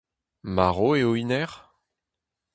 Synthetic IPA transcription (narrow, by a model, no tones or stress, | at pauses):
maʁoeoinɛʁ